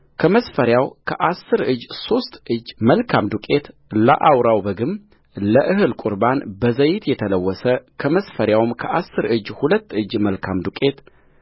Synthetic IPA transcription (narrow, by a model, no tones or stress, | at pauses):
kʰəməsfəɾjawkʰəʔasːɨɾɨd͡ʒːso̞st̪ʼʔɨd͡ʒməlkʰamd̪ukʼe̞t̪lə̰ʔawɾawbəɡɨm | ləʔɨɦɨlkʼuɾbanbəzəjɪt̪jɛt̪ʰələwːɔsəkʰəməsfəɾjawɨmkʰəʔasːɨɾɨd͡ʒhulət̪ːɨd͡ʒːməlkʰamd̪ukʼe̞t̪